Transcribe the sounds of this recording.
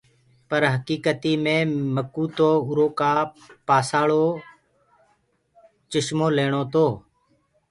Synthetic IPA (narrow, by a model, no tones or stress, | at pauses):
pəɾɦəkiːkət̪iːmẽːməkuːt̪oːʊɾoːkaː | paːsaːɭoː | t͡ʃəʃmoːleːɳ̃oːt̪oː